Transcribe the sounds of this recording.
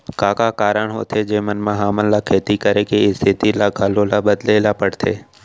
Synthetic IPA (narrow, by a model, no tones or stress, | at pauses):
kaːkakaːɾəɽɦoːt̪ʰed͡ʒeːmənmãɦaːməllakʰeːt̪ikəɾekeɪst̪ʰɪt̪ilaɡʱalolabəd̪leːlapəɽt̪ʰeː